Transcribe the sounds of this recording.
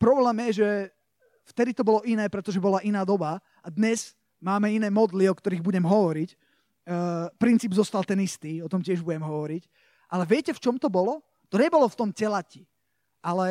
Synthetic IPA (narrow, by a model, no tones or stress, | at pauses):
pɾɔblɛːmjɛʒɛ | ft̪ɛd̪it̪ɔbɔlɔʔinɛːpɾɛt̪ɔʒɛbɔlaʔinaːd̪ɔba | ad̪ɲɛz̥ | maːmɛinɛːmɔd̪liɔkt̪ɔɾiːɣbuɟɛmɦɔʋɔɾicː | pɾint͡siːbzɔst̪alˠt̪ɛnist̪iːɔt̪ɔmcɪɛʒbuɟɛmɦɔʋɔɾic | ʔalɛʋɪɛcɛft͡ʃɔmt̪ɔbɔlɔ | t̪ɔɲɛbɔlɔft̪ɔmcɛlaci | ʔalɛ